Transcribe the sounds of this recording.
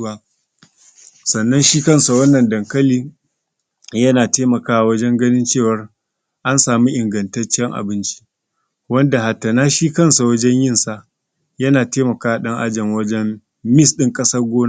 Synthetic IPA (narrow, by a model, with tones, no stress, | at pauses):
aː˦ | sɐ˨nːɐ˦nʃiː˦kɐ˦˨nsa˨wɐ˦nːɐ˨ndɐ˨ŋkɐ˦liː˦ | jɐ˦naː˨teː˦mɐ˨kaː˦a˨wɐ˦d͡ʒɛ˦ŋɡɐ˦nɪ˦nt͡ʃeː˦˨wɐ˦r | ʔa˦nsaː˨mi˦ʔɪ˨ŋɡɐ˨ntɐ˦rt͡ʃɛ˦ŋʔa̰˨bɪ˦nt͡ʃi̥˦ | wɐ˦nda˨ha˨tːɐ˨naː˦ʃiː˦kɐ˦nsa˨wɐ˦d͡ʒɛ˦ɲjɪ˦˨nsa˦˨ʔ | jɐ˦naː˨teː˦mɐ˨kaː˦a˨ɗɐ˦ŋʔa˦d͡ʒɐ˨ŋwɐ˦d͡ʒɛ˦m | mɪ˦˨sɗɪ˦ŋkʼɐ˦sɐ˦rɡʷoː˦n˦